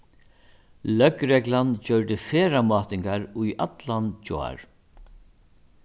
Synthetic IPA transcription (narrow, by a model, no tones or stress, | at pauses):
lœkɾɛklant͡ɕœɹt̪ɪfeːɾamɑːt̪ɪŋkaɾujʔa̰t̪lant͡ɕɔ̰a̰ɹ